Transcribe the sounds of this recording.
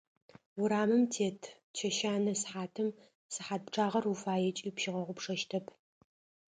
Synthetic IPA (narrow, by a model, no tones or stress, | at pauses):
wʊɾaːmɨmtʰeːtʰ | t͡ʃʰɐʃaːnɐsħaːtʰɨm | sɨħaːt̚pʈ͡ʂʰʼaːʁɐrufaːjɛt͡ʃʼiːpʃɪʁɐʁʷʊpʂɐʃtʰɐpʰ